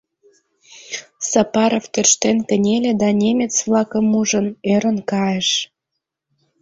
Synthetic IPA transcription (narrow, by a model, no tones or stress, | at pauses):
sɑpɑɾoft̪ørʃt̪enkə̆nʲelʲĕd̪ɑnʲemʲet͡svlɑkə̆muʒə̆neɾə̆nkɑjeʃ